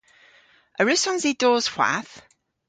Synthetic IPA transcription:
əɹʉsɔnzidɔːz̥hw̥a̰θ

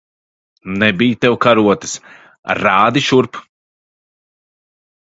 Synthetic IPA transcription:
nɛbijt̪ɛwkaɾuɔt̪ɨ̥s | ɾaːd̪iʃuɾp

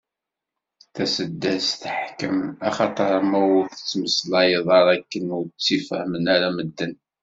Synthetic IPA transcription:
θæsəd̪ːæsθəħkəmæχɑt̪ˤəɾˤmæwʊɾθə̥t͡sːməslɑjəðˤɑɾˤækːənʊɾt͡sːifəhmənæɾæməd̪ːən

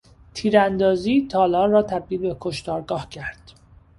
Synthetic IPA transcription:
t̪ʰiːɾænd̪ɒːziːt̪ʰɒːlɒːrɒːt̪ʰæb̚d̪iːlbekʰoʃt̪ɒːɾɡɒːhcʰæɾd̪̥

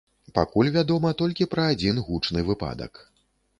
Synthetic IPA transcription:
pa̰kulʲvʲad̪ɔmɐt̪ɔlʲkʲipɾɐːd͡zʲinɣut͡ʂnɨvɨpa̰d̪ɐ̰k

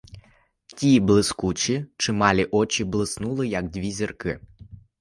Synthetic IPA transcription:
tʲiblˠɪskut͡ʃʲit͡ʃɪmɑlʲiʔɔt͡ʃʲiblˠɪsnulˠɪjɐɡdʲʋʲizʲirkɪ̰

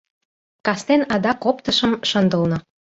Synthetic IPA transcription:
kɑst̪enɑd̪ɑkopt̪ɤ̆ʃə̆mʃə̆nd̪ə̆lnɤ̆

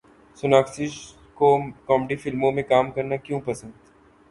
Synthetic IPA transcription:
sʊnaːksɪʃ | kokɔːmeɖifɪlmõmẽkaːmkɐɾnakjũpɐsə̃nd̪

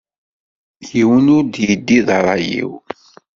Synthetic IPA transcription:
jiwənʊɾd̪jid̪ːiðɾˤɑjḭw

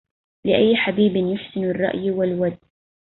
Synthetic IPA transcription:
lɪʔajːħabiːbɪnjʊħsɪnrˤːɑ̰ʔjwɪlwad̪

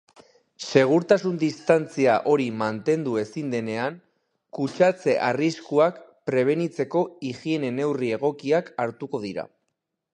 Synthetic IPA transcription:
se̞ɣ̞uɾt̪asund̪ist̪ant͡siaʔo̞ɾimant̪e̞nd̪ue̞sind̪e̞ne̞aŋ | kut͡ʃat͡se̞ʔariskuakpɾe̞β̞e̞nit͡se̞ko̞iɣie̞ne̞ne̞wrie̞ɣ̞o̞kiakaɾt̪uko̞ðiɾa̰

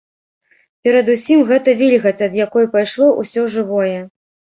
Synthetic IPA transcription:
pʲɛɾɐd̪usʲimɣɛt̪ɐvʲilʲɣɐt͡sʲɐd̪jakɔjupajʂlˠɔʔusʲɔʐɨvɔjɛ

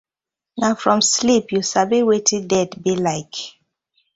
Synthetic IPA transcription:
nafɹɔ̃mslipjusabiwetʰĩdɛdbilaɪk

